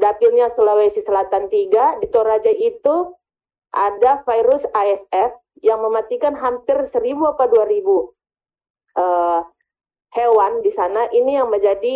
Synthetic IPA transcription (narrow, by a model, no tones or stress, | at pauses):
dapilɲasolalasisəlat̪ant̪iɡadit̪oɾad͡ʒait̪u | ʔadafajɾʊsaɛsɛf | jaŋməmat̪ikanɦampɪrsəɾibuapaduaɾibu | ʔə | hewandisanaʔinijaŋməɲd͡ʒadi